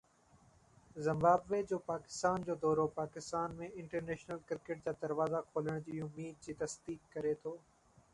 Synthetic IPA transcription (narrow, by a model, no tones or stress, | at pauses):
zɪ̃mbaːbʋeːd͡ʑoːpaːkɪ̥st̪aːnd͡ʑoːd̪ɔːɾopaːkɪst̪aːnmẽɪ̃ɳʈəɾneːʃnəlkɪɾkeʈ̚d͡ʑaːd̪ɐɾʋaːzakʰoːləɽ̃d͡ʑiːʊmːiːd̪̚d͡ʑiːt̪ɐsd̪iːkːɐɾet̪ʰoː